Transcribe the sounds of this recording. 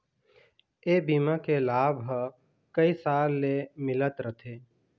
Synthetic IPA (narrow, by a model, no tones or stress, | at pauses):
eːbiːmakelaːbɦə | kəisaːlːemɪlət̪ɾət̪ʰeː